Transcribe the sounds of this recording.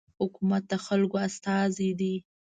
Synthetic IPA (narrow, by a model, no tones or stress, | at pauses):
hʊkumat̪̚d̪əxalkoast̪ɑzid̪i